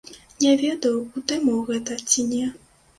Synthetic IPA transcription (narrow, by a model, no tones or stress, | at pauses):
nʲɛvʲɛd̪ɐwut̪ɨmuwɣɛt̪ɐt͡sʲinʲɛ